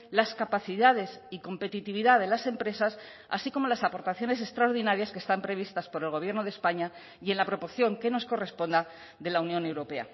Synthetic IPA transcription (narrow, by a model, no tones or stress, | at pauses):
laskapaθiðaðe̞siko̞mpe̞t̪it̪iβiðaðe̞lase̞mpɾe̞sas | a̰siko̞mo̞lasapo̞ɾt̪aθjo̞ne̞s̬e̞st̪ɾaoɾðinaɾjaskest̪ampɾe̞β̞ist̪aspo̞ɾe̞lɣo̞β̞je̞ɾnoð̞espaɲa | je̞nlapɾo̞po̞ɾθjo̞ŋke̞no̞sko̞re̞spo̞nd̪a | ðe̞launjo̞ne̞wɾo̞pe̞a̰